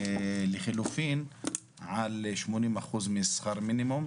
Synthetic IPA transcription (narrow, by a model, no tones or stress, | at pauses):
lixɪlufiːn | ʕalʃmuniːnmaxuːzmɪsˤxɑːɾˤminɪmʊm